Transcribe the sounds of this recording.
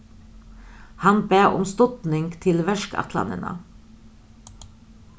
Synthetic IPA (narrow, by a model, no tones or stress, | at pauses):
hɑnbeːʊ̰mst̪ɔt̪nɪŋɡt̪ʰɪlʋæʃkɑ̰t̪ʰlɑ̰nə̰nə̰